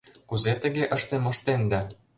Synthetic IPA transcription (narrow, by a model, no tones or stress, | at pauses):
kuzet̪ə̆ɣeʔɤ̆ʃt̪emŏʃt̪end̪æ̆